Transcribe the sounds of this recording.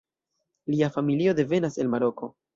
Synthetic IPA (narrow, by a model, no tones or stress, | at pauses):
liafamilio̞de̞ve̞nase̞lmaɾo̞ko̞